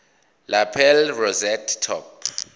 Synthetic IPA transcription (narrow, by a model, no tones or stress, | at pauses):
lapʰɛlrɔzɛtːʰɔ̰pʰ